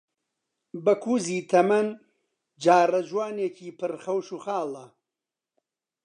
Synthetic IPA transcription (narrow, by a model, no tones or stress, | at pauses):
bɐkʰuːziːt̪ʰɐmɐn | d͡ʒaːrɐd͡ʒwaːneːcʰiːpʰɨɾχɐwʃuːxaːlˠɐ